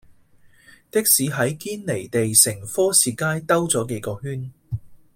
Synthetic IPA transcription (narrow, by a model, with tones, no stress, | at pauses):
t̪ɪ˥k̚siː˨˧ɦɐ˨˥jkiː˥nle˨˩jt̪e˨jsɪ˨˩ŋfɔː˥siː˨kaː˥jt̪ɐ˥wt͡sɔː˨˥ke˨˥jkɔː˧hyː˥n